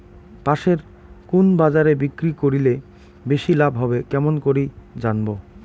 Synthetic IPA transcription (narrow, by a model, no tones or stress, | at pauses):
paʃeɾ | kunbad͡ʑaɾebikɾikoɾile | beʃilabʱɦɔbekɛmonkoɾid͡ʑanbo